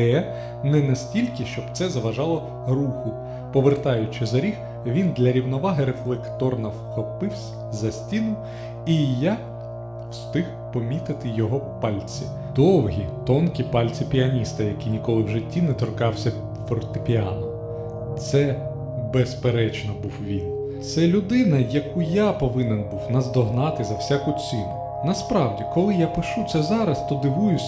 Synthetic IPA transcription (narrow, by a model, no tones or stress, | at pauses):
ɛ | nɛnɐsʲtʲilʲkɪʃt͡ʃɔbt̪sɛzɐʋɐʒɑlˠɔ | ɾuxʊ | pɔʋert̪ɑjʊt͡ʃɪzɐɾʲix | ʋʲind̪lʲɐɾʲiwnɔʋɑɦɪɾeflˠɛkt̪ɔrnɐwxɔpɪwsʲɐzɐsʲtʲinʊw | ija | wst̪ɪx | pɔmʲit̪ɪt̪ɪjɔɦɔpɑlʲt͡sʲi | d̪̥ɔwɦʲit̪ɔnkʲipɑlʲt͡sʲipʲiɐnʲist̪ɐjɐkijnʲikɔlˠɪwʒɪtʲːinɛt̪ɔrkɑwsʲɐ | fɔrt̪ɪpʲiɑnɔm | t̪sɛ | bespeɾɛt͡ʃnɔbuwʋʲin | t̪sɛlʲʊd̪ɪnɐjɐkujapɔʋɪnɛnbuwnɐzd̪ɔɦnɑt̪ɪzɐwsʲakʊt͡sʲinʊ | nɐspɾɑwdʲikɔlˠɪjapɪʃut̪sɛzɑɾɐst̪ɔd̪ɪʋujʊsʲ